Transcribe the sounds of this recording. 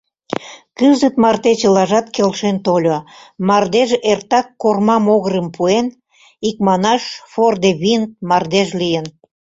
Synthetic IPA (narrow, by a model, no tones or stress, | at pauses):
kɨzət̪mɑrt̪et͡ɕəlɑʒɑt̪kelʃent̪olʲomɑrd̪eʒert̪ɑkːormɑmoɣəɾəmpʰuen | ik̚mɑnɑʃford̪eβint̪mɑrd̪eʒlijən